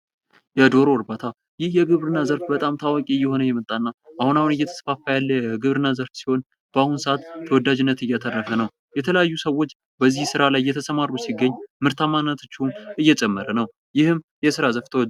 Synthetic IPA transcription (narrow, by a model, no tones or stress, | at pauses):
jɛd̪o̞ɾoɾbat̪ʰa | jɪhjɛɡɨβɾɨnːazəɾfbət̪ʼamt̪ʰawakʼiɨjːɛho̞nəjɛmət̪ʼːanːaʔahunahunɨjɛt̪ʰə̥sfafajalːəjɛɡɨβɾɨnːazəɾfsi̥ho̞n | b̥əahunsɨat̪t̪ʰːəwɔd̪ːad͡ʒɪnːət̪ɨjat̪ʰərːəfənəw | jɛt̪ʰələjajːusəwːo̞t͡ʃː | bəzːihsɨɾalajjɛt̪ʰəsəmarːusiɡːəɲːmɨɾt̪ʰamanːət̪ʰɨt͡ʃːɪumʔɨjːɛt͡ʃʼɛmːəɾənəw | jɪhɨm | jɛsɨɾazəft̪ʰəwd̪